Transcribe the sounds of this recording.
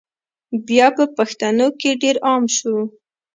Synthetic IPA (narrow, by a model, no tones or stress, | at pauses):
bjɑpəpaxt̪anokeɖeɾɑmʃu